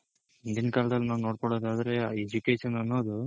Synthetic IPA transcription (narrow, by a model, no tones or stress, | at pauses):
ind̪inɐkaːlɐd̪ɐlːnaːʋno̞ːɽkoɽoːd̪aːd̪ɐɾe̞ed͡ʒukeːʃɐnɐnːoːd̪u